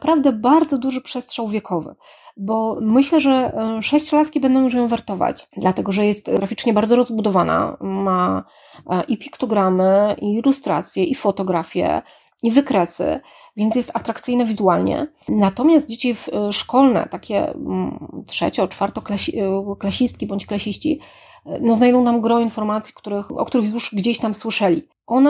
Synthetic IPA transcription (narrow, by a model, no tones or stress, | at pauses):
pɾavd̪ɛbaɾd̪zɔd̪uʐɘpʂɛst̪ʂawvʲjɛkʰɔvɘ̰ | bɔmɘɕlɛʐɛʂɛɕt͡ɕlat̪kʲibɛnd̪ɔ̃w̃juʂ̬jɔ̃w̃vaɾt̪ɔva̰t͡ɕd̪lat̪ɛɡɔʐɛjɛst̪ɡɾafʲit͡ʂɲɛbaɾd̪zɔɾɔzbud̪ɔvana̰ma | ʔipʲi̥kt̪ɔɡɾamɘʔiːlust̪ɾa̰t̪sʲjɛʔifɔt̪ɔɡɾafʲjɛ̰ | ivɘkɾɛsɘ̰ | vʲjɛnt̪jɛst̪at̪ɾakt̪sɘɨjnɛvʲizualɲɛ̰ | nat̪ɔmʲjast̪̚d͡ʑet͡ɕifʂkɔlnɛ̰t̪akʲɛ̰ | tʂɛ̰t͡ɕɔt͡ʂfaɾt̪ɔklaɕklaɕist̪kʲibɔɲt͡ɕklaɕiɕt͡ɕḭ | nɔznajd̪ɔ̃w̃namɡɾɔinfɔɾmat̪sʲjikt̪uɾɘxʔɔ̰k̚t̪uɾɘxjuʂɡd͡ʑeɕt̪amswɘʂɛlʲḭ | ʔɔna